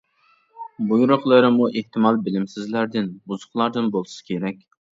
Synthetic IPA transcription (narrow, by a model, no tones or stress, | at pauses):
bujuɾʊχlˠɨɾɪmuʔeht̪ʰɪmɑlˠbɪlɪmsɪzlæɾd̪ɪnbuzʊ̥χlˠɑɾd̪ɨnbolˠɨsɪ̥kʲʰeɾɛkʲ